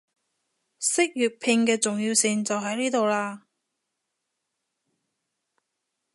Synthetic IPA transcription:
sɪ˥k̚jyː˨˩t̚pʰɪ˧ŋkɛː˧t͡sʊ˨ŋjiː˧wsɪ˨ŋt͡sɐ˨wɦɐ˨˥jniː˥t̪o˨wlaː˧

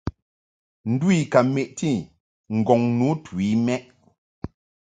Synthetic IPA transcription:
n̩˨dwi˦˨ka˨me˨ʔti˦˨ | ŋ̩˨ɡɔ˨ŋnu˨˦twi˦mɛ˦ʔ

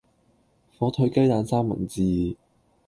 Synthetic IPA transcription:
fɔː˨˥t̪ʰɵ˨˧˥jkɐ˥jt̪aː˨˧nsaː˥ŋmɐ̰˨˩nt͡siː˨˧

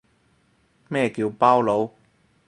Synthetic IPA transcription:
mɛː˥˩kiː˧wpaː˥˩wlo˨˧w

